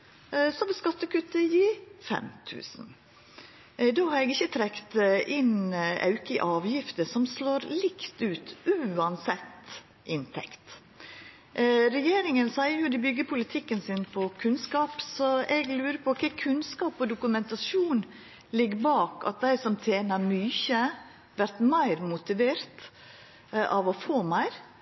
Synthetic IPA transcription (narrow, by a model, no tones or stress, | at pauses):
sɔʋɪlskɑt̪ːəkʉt̪əjiːfɛ̰mt̪ʰʉ̰ːsn̩ | d̪oːhɑɾɛɡɪçːət̪ʰɾɛkt̪ʔɪnʔɑ̰ʉkəʔɑːʋjɪft̪əsɔmsloːɾlɪkt̪ʉːt̪ʔʉːɑnsɛt̪ | ʔɪnt̪ʰɛkt̪ | ɾɛjeːɾɪŋənsæɪəjʊd̪ɪbʏɡːəpʰʊlɪt̪ʰɪkːənsɪnpʰɔkʰʉnskɑːpsɔʔɛɡlʉːɾəpʰɔɔkʰækʰʉnskɑːpɔd̪ʊkʉmɛnt̪ɑsuːn | lɪɡːbɑːkɑ̰t̪̚d̪æɪsɔmt̪ʰeːnɑmyːçə | ʋæɾt̪mæɪɾmʊt̪ɪʋeːɾt̪ | ʔɑʋɔfoːmæɪɾ